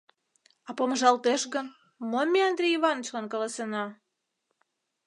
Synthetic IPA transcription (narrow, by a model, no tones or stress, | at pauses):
ɑpomʒɑlˠt̪eʃɣən | momʲːeɑnd̪rʲejiβɑnət͡ɕlɑnkɑlɑsenɑ